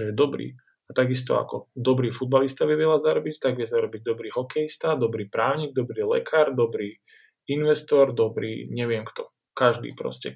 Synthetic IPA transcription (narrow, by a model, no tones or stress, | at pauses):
ɛjɛd̪ɔbɾḭː | at̪aɡist̪ɔ̰a̰kɔd̪ɔbɾiːfud̪̚balist̪aʋiʋɪɛlazaɾɔbict̪aɡʋɪɛzaɾɔbiɟd̪ɔbɾiːɦɔkɛjist̪ad̪ɔbɾiːpɾaːʊɲiːɡ̚d̪ɔbɾiːlɛ̰kʰaːɾd̪ɔbɾiː | inʋɛst̪ɔɾd̪ɔbɾḭːɲɛʋɪɛmkt̪ɔ | kaʒd̪ḭːpɾɔ̰scɛ̰